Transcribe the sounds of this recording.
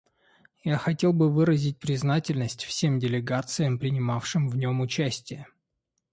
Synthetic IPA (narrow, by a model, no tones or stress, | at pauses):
jaxɐtʲe̞lˠbɨvɨɾəzʲɪt̚ʲpɾʲɪznatʲɪlʲnəsʲtʲfsʲe̞mdʲɪlʲɪɡat̪sɨjəmpɾʲɪnʲɪmafʂɨmvnʲo̞mʊt͡ɕæsʲtʲɪjə